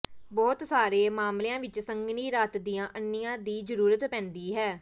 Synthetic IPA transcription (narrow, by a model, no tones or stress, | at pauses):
bɔːt̪saːɾeːmaːmlejãːʋɪt͡ʃsəŋɡniːɾaːt̪d̪ijãːʔənːɪjãːd̪iːd͡ʒəɾuːɾət̪pɛ̃ːnd̪iːɦɛː